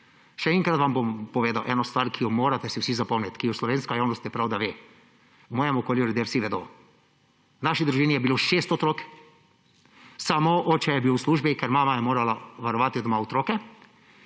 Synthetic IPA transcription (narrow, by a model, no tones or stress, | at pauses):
ʃɛɛŋkɾat̪ʋambompɔʋeːd̪awʔɛːnɔst̪ʋaːɾkʰijɔmoːɾat̪ɛsiwsizapɔmnlɛt̪kijɔslɔʋeːnskajaːwnɔst̪jɛpɾawd̪aʋeː | mɔːjɛmɔkoːljuɾɛd̪ewsiʋɛd̪o̰ | wnaʃid̪ɾuʒiːnijɛbiloʃest̪ɔt̪ɾoːk | samoʔɔːt͡ʃɛjɛbiwsluːʒbikɛɾmaːmajɛmoːɾalaʋaɾɔʋaːt̪iod̪maɔt̪ɾokɛ